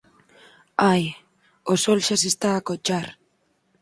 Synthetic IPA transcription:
aj | osolʃasist̪aakot͡ʃar

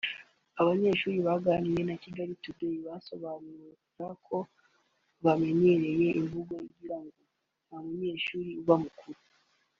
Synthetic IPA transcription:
aβaɲe̞ːʃuːɾiβaɡanije̞naciɡaɾitudojiβaso̞βaːnuukakʰo̞ | βame̞ɲe̞ɾe̞je̞ʔiɱvuɡojiɟiɾaŋɡo̞ | namuɲe̞ːʃuːɾiuβamukuɾu

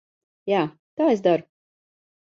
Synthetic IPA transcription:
jaː | t̪aːesd̪aɾu

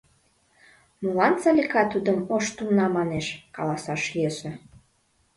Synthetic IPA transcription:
mulɑnt͡sɑlʲikɑt̪ud̪əmoʃt̪umnɑmɑneʃkɑlɑsɑʃjøsə̆

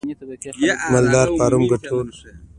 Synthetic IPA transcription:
mɐld̪aːɾpaːɾumɡɐʈʰoːɾ

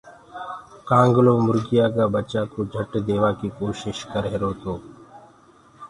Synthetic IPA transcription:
kãːŋɡlõːmʊɾɡɪjaːkaːbət͡ʃaːkoːd͡ʒʱəʈd̪eːʋaːkiːkoːʃɪʃkəɾɦeɾoːt̪oː

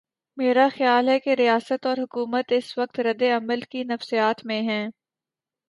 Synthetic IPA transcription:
meːɾaxjaːlɦɛkeɾijaːsət̪ɔːɾɦʊkuːmət̪ɪsʋɐk̚t̪ɾɐd̪eɐməlkinɐfsijaːt̪mẽɦɛ̃ː

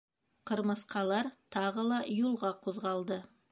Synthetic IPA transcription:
qɤ̆ɾmɤ̆sqɑlˠɑɾt̪ɑʁɤlˠɑjulˠʁɑquðʁɑlˠd̪ɤ

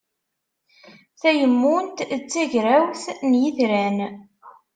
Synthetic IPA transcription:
θæjəmːunt̪t͡sːæʝɾæwθnjiðɾæn

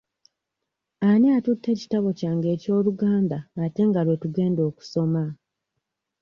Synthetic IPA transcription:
aniatutʰːe̞ːci̥taβo̞caːŋɡe̞ːco̞ːluɡaːndaːte̞ŋɡalwe̞tuɡe̞ːndo̞ːku̥so̞ma

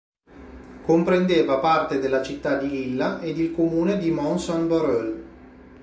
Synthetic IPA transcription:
kompɾend̪eːvapart̪ed̪elːat͡ʃit̪ːad̪ililːaʔed̪ilkomuːned̪imɔnsɔnbaɾøl

